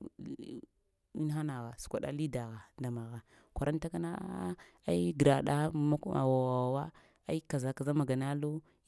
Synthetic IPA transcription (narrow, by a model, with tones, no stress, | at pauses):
i˦ɦa˦na˨ɣa˨su̥˨kʷa̰˨ɗa̰˦li˦da˨ɣa˨nda˨ma˨ɣa˨ | kʷa˨ɾʔa˦n˦ta˦ka˦na̰˦ | a˦i˦ɡɾa˨ɗa˦ma˦a̰˨wa˨wa˨a˨wa˦ | a˦i˦ka˨za˨ka˨za˦ma˨ɡa˨na˦lo˦